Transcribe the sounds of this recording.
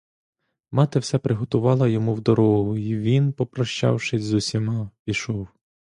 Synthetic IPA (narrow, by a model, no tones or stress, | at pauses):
mɑt̪ɪwsɛpɾɪɦɔt̪ʊʋɑlˠɐjɔmuwd̪ɔɾɔɦʊiʋʲinpɔpɾɔʃt͡ʃɑ̰wʃɪzʊsʲimɑpʲiʃɔw